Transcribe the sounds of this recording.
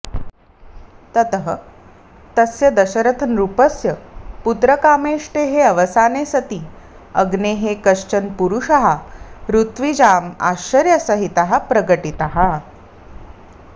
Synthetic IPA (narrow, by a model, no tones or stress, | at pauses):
t̪ət̪əɦə | t̪əsjɐd̪ɐɕəɾət̪ʰənɾupəsjəput̪ɾəkaːmeʂʈeɦeɐʋəsaːnesɐt̪iː | əɡneɦekəʂt͡ɕənpuɾuʂaɦaɾut̪ʋid͡ʑaːma̰ɕəɾjəsəɦit̪aɦapɾəɡəʈit̪aɦa